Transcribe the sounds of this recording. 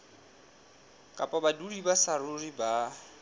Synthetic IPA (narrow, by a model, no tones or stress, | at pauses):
kʼapʼabadudibasarʊriba